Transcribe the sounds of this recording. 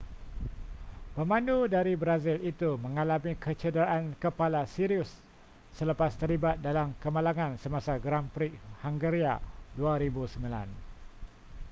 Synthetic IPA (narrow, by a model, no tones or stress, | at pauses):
pəmãnudaɾibɾazilit̪umə̃ŋalamikət͡ʃədəɾaʔankəpalasiɾiʊsː | ələpast̪əɾlibat̪̚dalamkəmalaŋãnsəmasaɡɾampɾik̚haŋɡəɾiaduaɾibusəmĩla̰n